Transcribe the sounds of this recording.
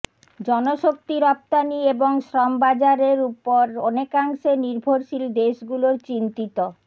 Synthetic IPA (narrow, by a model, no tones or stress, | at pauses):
d͡ʑɔnoʃok̚t̪iɾɔp̚t̪anieboŋʃɾɔmbad͡ʑaɾeɾupoɾɔnekaŋʃeniɾbʱoɾʃild̪eʃɡuloɾt͡ɕint̪it̪o